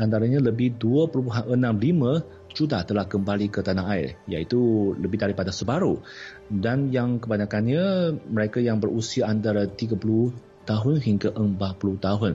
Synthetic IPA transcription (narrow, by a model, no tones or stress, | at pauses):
ʔant̪aɾaɲãləbɪhduəpəɾumpuɦanənãmlimə̃ | t͡ʃudat̪əlahkəmbalikət̪anaaɪ̰rja̰it̪uləbɪhdaɾipadasəbaɾu | danjaŋkəbaɲakanɲə̃məɾekajaŋbərusiaʔant̪̬aɾat̪iɡapuluh | t̪aɦʊnɦiŋɡaʔəmbapuluht̪aɦʊn